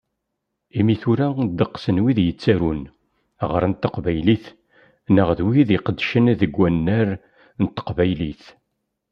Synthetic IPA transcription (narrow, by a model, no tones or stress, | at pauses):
imiθuɾæd̪əqːsənwiðjət͡sːæɾun | ʁəɾˤnt̪ːəqvæjliθ | nəʁðwiðiqəd̪ʃənðəɡʷːænːæɾ | nət̪ːə̥qvæjliθ